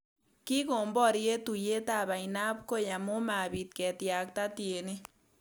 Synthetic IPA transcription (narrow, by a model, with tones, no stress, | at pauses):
ki˦ko˨mbɔ˦˨ɾje˦tu˨je˦ta˨ba˨ina˦p̚ko˦ja˨mo˦ma˨bi˨t̪̚kɛ˨tja˨k̚ta˦tje˨ni˦